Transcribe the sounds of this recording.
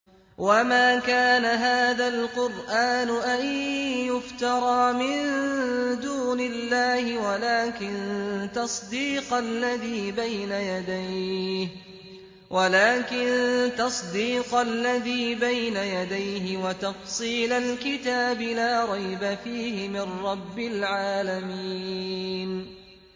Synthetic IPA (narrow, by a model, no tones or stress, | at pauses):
wamaːkaːnaɦaːðalqʊɾʔaːnʊʔanjʊft̪ɑɾˤɑːmɪn | d̪uːnɪlːaːhɪwalaːkɪnt̪ɑsˤd̪iːqalːaðiːbajnajad̪ajh | wʔalaːkɪnt̪ɑsˤd̪iːqalːaðiːbajnajad̪ajɦɪwat̪ɑfsˤiːlalkɪt̪aːbɪlaːɾˤɑjbafiːhɪmɪnɾɑbːɪlʕaːlami | n